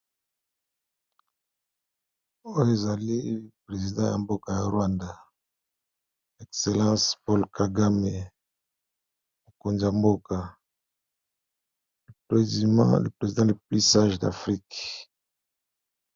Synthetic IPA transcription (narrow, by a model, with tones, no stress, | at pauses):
o˦jo˦e˨za˨li˦˨pʁe˨zi˨dɑ̃˦ja̰˨mbo˦ka˨ja˨ʁwa˦nda˦ | ɛ˨kse˨lɑ̃˦spɔ˦lkʰa˨ɡa˦me˨ | mo˨ko˨nzi˨ja˨mbo˦ka˨ | mle˨pʁe˨zi˨dɑ̃˦le˨pli˦sa˦ʒda̰˨fʁi˦k